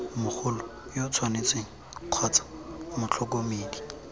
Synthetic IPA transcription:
mʊk͡xʰʊlɔjot͡sʰwanet͡seŋ̩ | q͡χʰwat͡sḁmʊt͡ɬʰɔk̬omeːdi̥

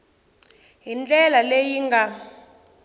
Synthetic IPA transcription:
ɦind͡ɮʼɛlalejiŋɡʱa

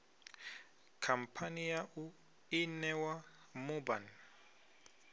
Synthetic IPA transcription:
kʰampʰanijaʔu | inɛwa | muban

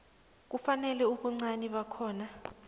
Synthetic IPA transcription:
k̬ufanɛlɛuɓuŋ͡ǀaniɓakʰɔːna

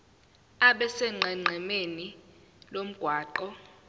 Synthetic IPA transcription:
aɓɛsɛŋ͡ǀʱɛŋ͡ǀʱɛmeni | lom̩ɡ̥ʱwaːǃɔ

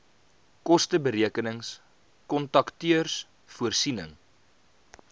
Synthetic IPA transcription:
kɔstəbəɾiəkənəŋs | kɔntɐktyərs | fuərsinəŋ

